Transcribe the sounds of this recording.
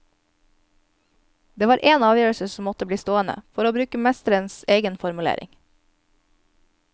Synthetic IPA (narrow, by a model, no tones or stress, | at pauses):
d̪eːʋɑːɾʔeːnɑːʋjøːɹəsəsɔmɔt̪əbliːst̪oːənə̰fɔɾoːbɾʉːkəmɛst̪əɾənseːɡənfɔɾmʉlḛːɾʔɪ̰ŋ